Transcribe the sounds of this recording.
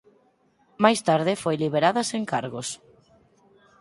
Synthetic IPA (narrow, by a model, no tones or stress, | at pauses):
majst̪aɾðɪfojliβ̞eɾaðɐseŋkaɾɣos